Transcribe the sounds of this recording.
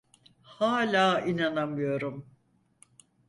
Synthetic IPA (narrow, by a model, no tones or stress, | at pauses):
haːlʲaːinanamɯjo̞ɾum